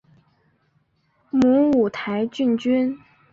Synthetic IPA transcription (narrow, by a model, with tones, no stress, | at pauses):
mu˧˥u˨˩t̪ʰa˧˥ɪt͡ɕy˥˩nt͡ɕy˥n